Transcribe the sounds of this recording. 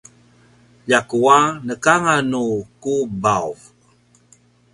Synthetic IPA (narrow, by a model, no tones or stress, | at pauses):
ʎakuanəkaŋanukubawv